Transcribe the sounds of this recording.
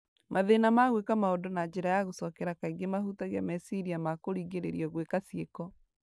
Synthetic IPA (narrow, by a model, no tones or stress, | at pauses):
maðenamaɣwekamaodonad͡ʑɛɾajaɣosɔkɛɾakaiŋɡemahutaɣeamɛsiɾiamakoɾiːɣeɾeɾiɔɣwekasiekɔ